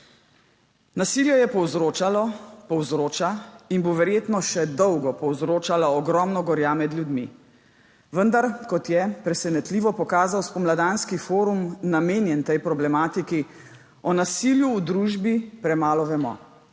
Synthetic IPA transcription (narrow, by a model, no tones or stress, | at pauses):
nasiljɔjɛpɔwzɾoːt͡ʃalɔpɔwzɾoːt͡ʃainboʋɛɾjeːt̪nɔʃɛd̪ɔwɡɔpɔwzɾoːt͡ʃalaɔɡɾɔmnɔɡɔɾjamɛd̪lʲjud̪mi | ʋənd̪aɾkɔt̪jɛpɾɛsɛnɛt̪liːʋɔpɔkaːzawspɔmlad̪aːnskifoːɾumnameːnjɛnt̪ɛjpɾɔblɛmaːt̪iki | ɔnasiljuːd̪ɾuːʒbipɾɛmaːlɔʋɛmɔ̰